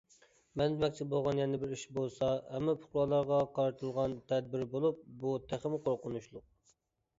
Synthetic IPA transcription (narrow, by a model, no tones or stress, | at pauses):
mɛnd̪ɪmɛkʲt͡ʃ̪ʰɪbolˠʁɑnjɛnɪbɪɾiʃbolˠsɑhɛmːɑpʰʊ̥χlˠɑlˠɑɾʁɑqʰɑɾɨt̪ʰɨlˠʁɑnt̪ʰɛd̪̚bɪɾbolˠup̚but̪ʰæχɪmɪqʰoɾqʊnuʃlˠʊq̚